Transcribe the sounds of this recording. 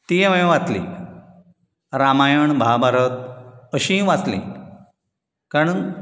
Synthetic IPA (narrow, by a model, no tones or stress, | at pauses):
t̪iʋə̃ʋat͡slḭ | ɾamajəɳbʱabʱaɾət̪̚əɕĩʋat͡slḭ̃ | kaɽ̃un